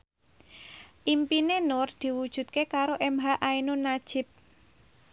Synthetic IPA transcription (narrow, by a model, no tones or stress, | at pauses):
ʔimpinenʊrd̪̥i̤wud̥ʒ̥ṳt̪̚kekaɾoʔɛmɦaʔainonad̥ʒ̥ɪ̤p̚